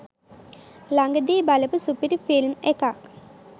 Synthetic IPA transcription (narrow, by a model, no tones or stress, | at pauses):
laŋɡəd̪iːbalɐpɨsupiɾifilmekak